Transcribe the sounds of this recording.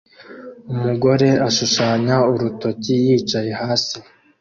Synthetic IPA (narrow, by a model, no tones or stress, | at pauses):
umuɡo̞ɾe̞aʃuʃaːɲauɾuto̞cijiːt͡ʃaje̞haːsi